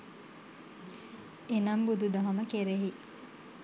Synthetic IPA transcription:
enɐmbud̪ud̪ɐɦɐməkeɾeɦi

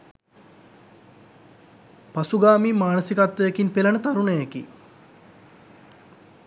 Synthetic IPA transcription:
pasuɡaːmiːmaːnəsikat̪ʋəekinpelanət̪aɾunəjekḭ

